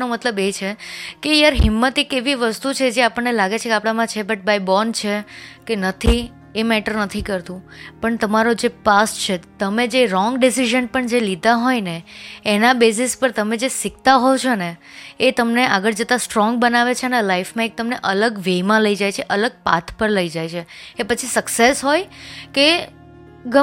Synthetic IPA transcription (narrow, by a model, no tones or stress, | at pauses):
nomət̪ləbet͡ʃʰekejaɾɦɪmːət̪ikeʋiʋəst̪ut͡ʃʰed͡ʒeapəɳːelaɡet͡ʃʰekeapɽamãt͡ʃʰebəʈ̚baibɔnt͡ʃʰekenət̪ʰi | emɛʈəɾnət̪ʰikəɾt̪ũ | pəɳt̪əmaɾod͡ʒepast͡ʃʰet̪əmed͡ʒeɾɔŋɡɖisiʒənpəɳd͡ʒelid̪aɦojneːnabes̬ispəɾt̪əmed͡ʒesɪk̚t̪aɦɔt͡ʃʰoneːt̪əmneʔaɡəɾd͡ʒət̪asʈɾɔ̃ŋɡ̚bənaʋet͡ʃʰenelaifmãek̚t̪əmneʔələɡʋemãləid͡ʒajt͡ʃʰeʔələɡ̚pa̰t̪ʰpəɾləid͡ʒajt͡ʃʰeːpət͡ʃʰisəksesɦojke | ɡə